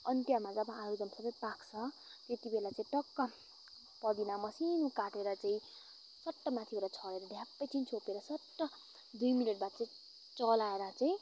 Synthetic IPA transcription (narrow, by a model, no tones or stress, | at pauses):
ʌnt̪jamad͡zabaãɾud͡zʌmsʌbʌjpakt͡sʰʌ | t̪et̪ibelat͡saĩʈʌkːʌ | pʌd̪inamʌsinukaʈeɾʌt͡saĩ | sʌʈːʌmat̪ʰiboɾat͡sʰʌɽeɾʌɖʱjapːʌjt͡sʰint͡sʰopeɾʌsʌʈːʌ | d̪ujmileʈbat̪t͡saĩ | t͡sʌlaeɾʌt͡saĩ